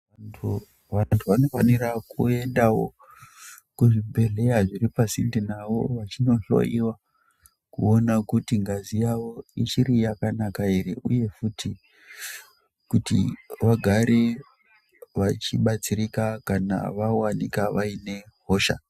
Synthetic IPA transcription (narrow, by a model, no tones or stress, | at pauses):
tʰu | antʰuʋano̞fanirakue̞ndawo̞̰ | kuʐibʱe̞ɮe̞jaʐiripasindinaʋo̞̰ʋat͡ʃino̞ɬo̞̰jiwa | kuo̞nakutiŋɡazijawo̞it͡ʃirijakanakairiʔuje̞futʰi | kutḭʋaɡʱaɾe̞ | ʋat͡ʃiɓat͡siɾikakana̰ʋawanikaʋaine̞ɦoːʃa̰